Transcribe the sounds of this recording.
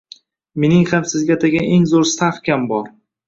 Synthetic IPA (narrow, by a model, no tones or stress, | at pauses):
me̞nɪŋhamsɪzɡʲat̪ʰaɡʲaʔeŋzoɾst̪ʰafkʲʰambɒɾ